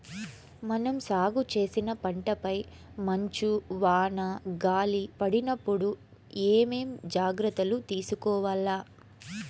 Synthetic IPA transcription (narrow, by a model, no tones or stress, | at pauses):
mɐnɐmsaːɡut͡ʃe̞ːsinɐpɐɳʈɐpɐj | mɐɲt͡ʃuʋaːɳɐɡaːlipɐɽinɐpːuɽu | eːme̞ːmd͡ʒaːɡɾɐt̪ːɐlut̪iːsukɔːʋɐːlːaː